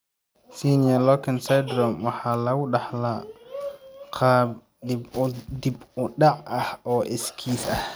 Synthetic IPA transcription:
siːnijɐlɔkʰɐnsajd̪ɾɔmwɑħɑːlɐɣʊɖɑħla | qʰɑːb | d̪ɪbd̪ɪbʊɖɑʕɐhɔːʔɪskʰiːsɐh

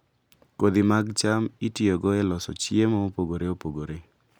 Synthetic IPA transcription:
kod̪ɪmaɡt͡ʃamitiɔɡɔɛlɔsɔ̰t͡ʃiemɔopoɡoɾeopoɡoɾe

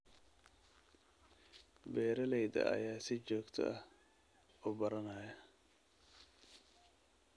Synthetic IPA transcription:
bɛːɾɐlɛjd̪ɐ̰ʔɐ̰jaːsɪt͡ʃɔːɡt̪ʰɔ̰ʔɐh | ɔːbɐɾɐnaːjɐ

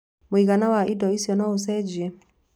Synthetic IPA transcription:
moiɣanawaʔidɔisjɔnɔosɛd͡ʒiɛ

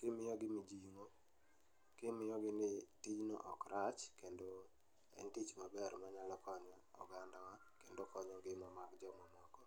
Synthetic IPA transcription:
kɪmɪjɔɡɪmɪd͡ʒiŋo | kɪmɪjɔɡɪnɪtid͡ʒnɔ̰ʔɔkɾat͡ʃkendo | ɛ̰ntit͡ʃmabɛɾmaɲalɔkɔɲɔ̰ːɡandawa | kendokɔɲɔɡɪmamakd͡ʒɔmɔmɔkɔ

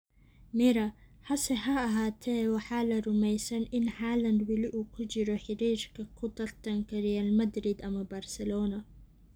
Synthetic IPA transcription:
mɪɾɐħɐsɛɦɐːɦaːt̪ʰɛːwɑħɑːlɐrʊmɛjsɐnʔɪnħaːlɐnd̪wɐlɪʔuːkʰʊt͡ʃɪɾɔħɪɾiːɾkʰɐkʰʊt̪ʰɐrt̪ʰɐŋkʰɐrɛjaːlmɐd̪ɾɪd̪ɐmɐbɐrsɛlɔːnɐ

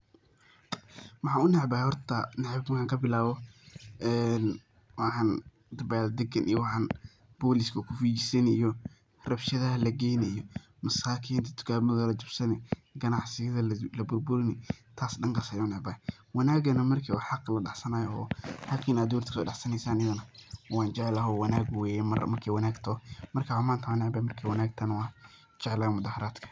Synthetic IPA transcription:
mɑħɑːʊnɛʕbaːhɛhɔrt̪ʰɐnɛʕb̪wħɑːŋkʰɐbɪlaːβɔ | ɛn | wɑħɑːn | d̪ɐbald̪ɛɡɐnʔḭjɔwɑħɑːn | b̥ɔːlɪskʰɐkʰʊfiːt͡ʃɪsɛnijɔ | rɐbʃɐðɐɦɐlɐɡɛjnɛijɔ | mɐsaːkʰiːnt̪ʰɐ̥t̪ʰʊ̥kʰaːmɐðɐlɐt͡ʃʊbsɐnɪɡɐnɑʕsɪjɐðɐlɐbʊrbʊɾɪnɪt̪ʰaːsɗɐŋkʰasɐjanɛbɐ | wɑnaːɡɐnɐmɐrkʰiwɑħɑqlɐɖɑħsɐnaːjɔɔːhakʰiːnaːd̪uːɾt̪kʰsɔ̰ːɖɑħsɐnɛjsaːnjɐɣʊnɐwaːnt͡ʃɛʕɛlɐɦɔwɑnaːɡwɛːjɛmɐr̰mɐrkʰiːwɑnaːɡt̪ʰɔmɐrkʰaːʕʊmaːnt̪ʰaʕanɛʕbɐmɐrkʰiːwɐnaːɡt̪ʰɐnwɑː | t͡ʃɛʕɛlɐɐmʊðaːhɐɾaːd̪kʰɐ̥

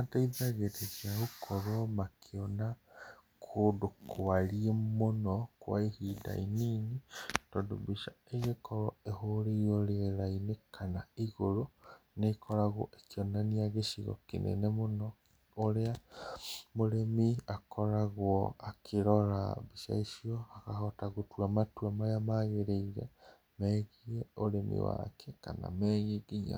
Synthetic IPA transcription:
ataiðaɣeɾezjaɣukʰɔɾwɔmakʰeɔna | kʰodokʰoaɾiemonɔkwa̰ihida̰iniːnitɔndobiʃaeɣekɔɾɔehoɾeioɾeeɾainekʰanaiɣoɾonekɔɾaɣɔ̰ʔekiɔnaniaɣeʃiɣɔ̰kḛnḛnemonɔ | oɾea | moɾemiakɔɾaɣwɔakʰeɾɔɾa̰βiʃa̰iʃiɔakahɔtaɣotwamatwamajamaɣeɾeiɾɛ̰ | mɛɣieoɾemḭwa̰kʰɛkana̰meːɲeɡiɲa̰

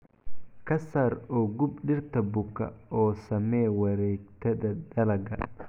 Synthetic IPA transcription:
kʰɐsɐɾɔːɡʊbɖɪrt̪ʰɐbʊkʰɐ̰ʔɔːsɐmɛːwɐɾɛːɡt̪ʰɐdɐdɐlɐɡɐ̰

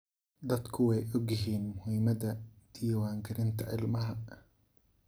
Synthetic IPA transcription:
d̪ɐd̪kʰʊwɛjʔɔɡjɪɦiːnmʊhɪmɐðɐd̪̥ijwaːŋɡʰɪɾɪnt̪ʰɐʔɪlmɐɦɐ

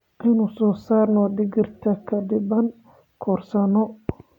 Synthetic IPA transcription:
ʔɪnʊsɔːsaːrnɔɖɪɡɪrt̪ʰɐkʰɐd̪ɪbɐn | kʰɔːrsɐnɔ

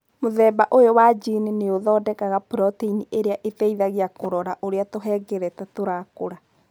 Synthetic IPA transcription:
moðɛːbaʔojowad͡ʒinineoðɔːdɛkaɣapɾɔteiniʔeɾeaʔetɛiðaɣeakoɾɔɾaʔoɾeatoɦɛɡɛɾɛtatoɾakoɾa

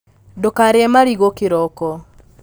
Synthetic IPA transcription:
dokaɾeɛmaɾiɣokɪɾɔkɔ

